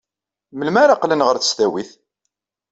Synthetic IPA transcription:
məlmaɾaqlənʁəɾθə̥st̪æwiθ

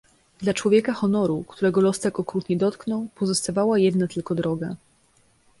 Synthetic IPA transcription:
d̪lat͡ʂwɔvʲjɛkaxɔnɔɾukt̪uɾɛɡɔlɔst̪ɛkɔkɾut̪ɲɛd̪ɔt̪knɔwpɔzɔst̪avawajɛd̪nat̪ɘlkɔd̪ɾɔɡa

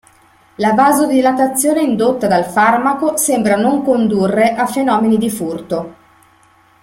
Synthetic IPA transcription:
lavaːzod̪ilat̪at̪sːjoːneind̪ot̪ːad̪alfarmakosembɾanoŋkond̪urːeʔafenɔːmenid̪ifurt̪o

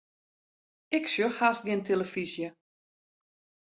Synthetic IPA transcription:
ɪksjøxhasɡɪntʰeləfizjə

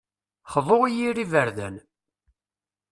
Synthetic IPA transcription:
χəvoʁijirivəɾðæ̰n

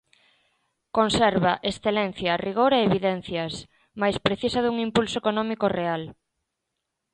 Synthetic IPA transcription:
konsɛɾβaʔesθelɛn̟θjɐriɣ̞oɾeeːβiðɛn̟θjɐs | majspɾeθisɐðuŋimpulsoekonɔmikoreal

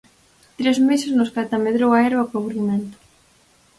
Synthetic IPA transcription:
t̪ɾezmesɪsnʊskat̪ameðɾowaɛɾβakaβuɾiment̪ʊ̥

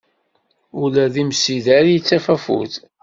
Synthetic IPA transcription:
ʊlæðimsiðæɾjit͡sːæfæfṵθ

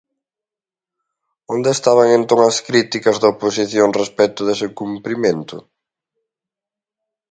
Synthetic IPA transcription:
ond̪eːst̪aβɐŋent̪oŋɐskɾit̪ikɐzðoposiθjoŋrespɛt̪ʊðesekumpɾimẽnt̪ʊ̰

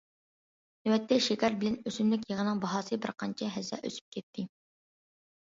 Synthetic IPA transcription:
nwɛt̪ʰːɛʃekʲæɾbɪlɛnøsynlɪkʲjeʁənɨŋbɑɦɑːsɨbɪɾqʰɑnt͡ʃʰɛɦɛzɛ̰ʔø̰sy̥p̚kʲʰɛt̪ʰːɪ

